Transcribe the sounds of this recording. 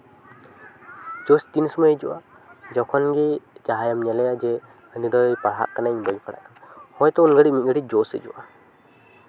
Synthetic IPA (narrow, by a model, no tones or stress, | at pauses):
d͡ʒɔst̪insɔmɔjed͡ʒuʔa | d͡ʒɔkʰɔnɡɛd͡ʒaɦajamɲɛlɛjad͡ʒɛ | ənidɔɔjpaɽɦa̰ʔkanaɲbəd͡ʒpʰaɽa̰ahɔjt̪ɔunɡəɽiʔmit̪̚ɡəɽid͡ʒɔsḛd͡ʒṵwʔa